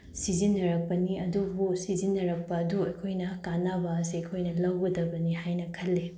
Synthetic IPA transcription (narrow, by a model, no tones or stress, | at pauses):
sizinːɐɾɐk̚pɐniɐdubusizinːɐɾɐk̚pɐːduɐjkʰojnɐkanabasiɐkʰojnɐlɐwɡɐdɐbɐnihajnɐkʰɐlːe